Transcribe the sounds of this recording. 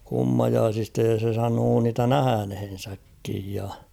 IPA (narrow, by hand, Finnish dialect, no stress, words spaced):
kumːɑjɑːsistɑ jɑ se sɑnoː niːtæ næhænhen̞sækːij jɑ